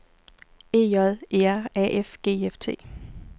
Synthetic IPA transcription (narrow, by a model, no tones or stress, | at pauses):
e̝̰ːɒðˠeæɐɛʔefɡ̥e̝̰ːeft͡sʰe̝̰ː